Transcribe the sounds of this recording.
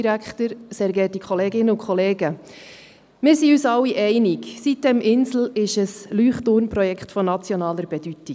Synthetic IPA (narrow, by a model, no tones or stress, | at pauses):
iɾækχtəɾsɛɾɡɛːtikʰχɔleːɡɪnəʊkʰχɔleːɡə | mɪːɾsiyːsɑwːiʔɛɪniksit̚d̥ɛmʔɪnsl̩ɪʃəslyːχtʊɾnpɾɔjɛkχtfɔnɑt͡sjɔnɑːləɾb̥ɛd̥yti